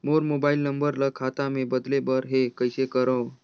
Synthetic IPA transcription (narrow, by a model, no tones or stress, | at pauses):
moɾmobailnəmbəɾləkʰat̪amebəd̪lebəɾɦekəjsekəɾə̃w